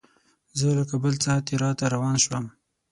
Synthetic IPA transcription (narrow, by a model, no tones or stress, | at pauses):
zəlakabəlt͡sɑhat̪eɾɑt̪aɾawɑnʃwəm